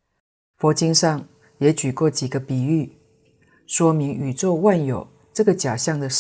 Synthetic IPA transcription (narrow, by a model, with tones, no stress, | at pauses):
fɔ˧˥t͡ɕi˥ŋʂɑ˥˩ŋ | jɛ˧˥t͡ɕy˨˩kwɔ˥˩t͡ɕi˨˩ɡə˦pi˨˩y˥˩ | ʂwɔ˥mi˧˥ŋy˨˩t͡swɔ˥˧wa˥˩njo˨˩ʊ | ʈ͡ʂɤ˥˩ɡə˨t͡ɕja˨˩ɕjɑ˥˩ŋd̪ə˩ʂ